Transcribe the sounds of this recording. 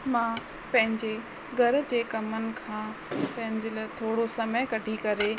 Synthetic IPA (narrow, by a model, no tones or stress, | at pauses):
mãː | pɐ̃ɦɪ̃ɲd͡ʑe | ɡʱɐɾ̆d͡ʑeːkɐmənɪ̆kʰãːpɐ̃ɦɪ̃ɲd͡ʑelat̪ʰoːɽosɐməjkɐɖʱikɐɾe